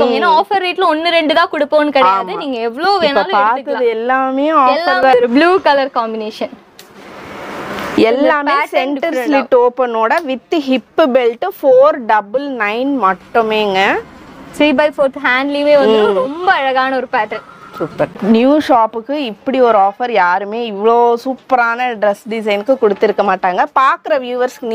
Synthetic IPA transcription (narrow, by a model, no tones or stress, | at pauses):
ɔŋɐeːnːaaːfɐɾːiːʈlɔnːɯɾɛɳɖɯt̪ãːkʊɽɯpːõːnːɯkɪɽɐjːaːmðɯniːŋɡɐɛʋːɐɭoːʋeːnːɐlpaːɾkt̪ːɯãðɯɛlːaːmeːjʊ̃aːɛlfːɐɾɐbluːkɐlɐɾkaːmbɪneːʂɐn | ɛlːaːmesɛɳʈɐɾslɪʈːoːpɛnoːɽɐʋɪt̪ːɯɦɪpːɯbɛlʈːɯfoːɾɖɐbɯlnɐɪnmɐʈːɯmeːŋɡɐsiːbɐɪfoːɾt̪ɦaːɳɖlimeːʋɐnːɾɔmbɐɐɻɐɣaːnɐɔɾɯpaːʈɐn | supːɐɾnjuːʃaːpːɯkːɯɪpːɐɽiɔɾɯaːfɐɾjaːɾɯmeːɪʋɐɭoːsuːpːɐɾaːnɐɖɾɛsɖɪs̬ɐɪnɯkːɯkɔɽɯt̪ːɪɾɯkːɐmaːʈːaːŋɡɐpaːɾkɯɾɐʋjuːʋɐɾskn